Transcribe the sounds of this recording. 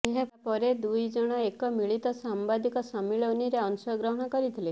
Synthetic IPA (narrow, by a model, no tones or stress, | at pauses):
eɦabpɔɾed̪ujd͡ʒɔɽ̃ɔekɔmiɭit̪ɔsambad̪ʱikɔsamiɭɔuniɾeɔnusɔjɔɡɾɔɦɔɽ̃ɔkɔɾit̪ʰile